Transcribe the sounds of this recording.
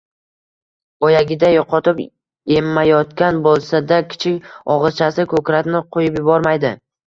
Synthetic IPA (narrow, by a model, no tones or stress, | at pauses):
ɒjaɡʲɪd̪ajɒqɒt̪ɪp | e̞mːajɒt̪kʲanbolˠsad̪akʲʰɪ̥t͡ʃʰɪkʲɒʁɨzt͡ʃʰasɪkʰɵkɾat̪nɪqʰojɪpjʊbɒɾmajd̪ɪ